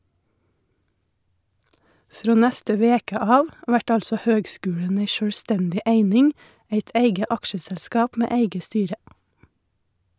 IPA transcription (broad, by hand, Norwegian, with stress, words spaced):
ˈfɾoː ˈnɛstə ˈʋeːkə ˈɑːʋ ˈʋæʈ ˈɑlsɔ ˈhøːɡˌskʉːɽən ˈæɪ ʃœɽˈstɛndɪ ˈæɪnɪŋ ˈæɪt ˈæɪɡə ˈɑkʃəsɛlˌskɑːp ˈmeː ˈæɪɡə ˈstyːɾə